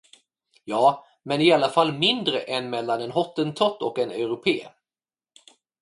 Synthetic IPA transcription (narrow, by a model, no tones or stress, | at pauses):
jɑː | mɛnɪalːafalːmɪnd̪ɾəʔɛnmɛlːanɛnɦɔt̪ːənt̪ʰɔt̪ːɔkɛnɛʉɾʊpʰeː